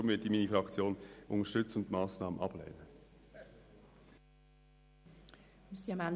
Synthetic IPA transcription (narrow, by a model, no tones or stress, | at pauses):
ʊmvɪɐt̚d̥iːmiːnifɾɑkt͡sjoːnʔʊnəʃtʏt͡səʊntmɑːsnɑːmənʔɑb̥lɛ̰ːnə | siɑman